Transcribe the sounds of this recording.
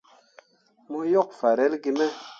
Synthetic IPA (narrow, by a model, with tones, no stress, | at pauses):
mo˦jɔ˦˨k̚fa˨ɾɛ˦lɡi˧mɛ˦